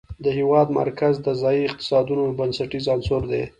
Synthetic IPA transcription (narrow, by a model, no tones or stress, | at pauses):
d̪əhewɑd̪ma̰ɾkazd̪əzɑjiɪq̚t̪ɪ̥sɑd̪unobansaʈizɑnsoɾd̪e